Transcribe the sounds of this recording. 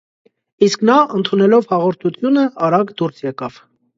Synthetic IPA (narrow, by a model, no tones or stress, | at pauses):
isknɑənt̪ʰunɛlɔvhɑʁɔɾt̪ʰut̪ʰjunəɑɾɑɡd̪uɾsjɛkɑv̥